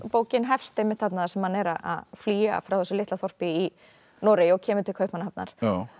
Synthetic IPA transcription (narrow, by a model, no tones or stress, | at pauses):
poːwcɪnɦɛfst̪ɪmɪt̪θat̪naðasɛmhanɛɾaʔa̰ðfliːa̰fɾawθɛsːʏlɪht̪aθɔr̥pɪi | nɔːɾejɔɣcʰɛːmʏt̪ʰɪlkʰœːɥhpmanahapna̰ɾ̥